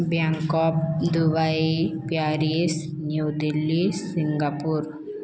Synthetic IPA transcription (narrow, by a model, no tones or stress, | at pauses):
bjaŋkɔpd̪ubaipjaɾies | nud̪ilːisiŋɡapuɾ